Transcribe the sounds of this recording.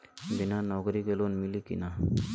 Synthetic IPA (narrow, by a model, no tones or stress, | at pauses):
binanɔɡɾiɡelonmilikḭna